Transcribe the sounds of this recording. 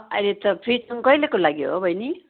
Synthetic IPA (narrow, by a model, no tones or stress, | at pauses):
ʌ̰jlet̪ʌpʰrit͡sʌŋkʌjlekolaɡiɦo̰bʱʌjni